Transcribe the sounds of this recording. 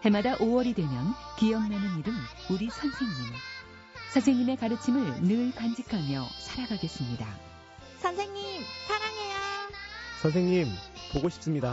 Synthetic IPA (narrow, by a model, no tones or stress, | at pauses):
he̞madaʔowʌɾidwe̞mjʌnkijʌmnanɯniɾɯnuɾisʰʌnsʰe̞ŋɲim | sʰʌnsʰe̞ŋɲime̞kaɾɯt͡ɕʰimɯɭnɯɭpand͡ʑikʰamjʌ̰sʰaɾaɡaɡe̞s͈ɯmɲida̰ | sʰʌnsʰe̞ŋɲimsʰaɾaŋe̞ja | sʰʌns̬ʰeŋɲimpoɡoɕʰi̥p̚s͈ɯmɲida